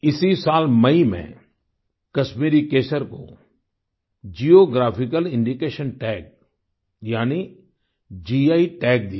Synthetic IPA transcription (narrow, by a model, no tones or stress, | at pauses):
ɪsisaːlmɐimḛ̃ | kɐʃmiːɾikeːsəɾko̰ | d͡ʒiːjoɡɾaːpʰikəlɪ̃ɳɖikeːʃənʈɛːk̚ | jaːni | d͡ʒiaːiʈɛːk̚d̪ia